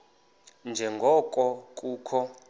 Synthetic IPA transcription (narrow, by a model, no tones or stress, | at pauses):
nd͡ʒʱɛŋɡʱɔkʼɔkʼuːkʰɔ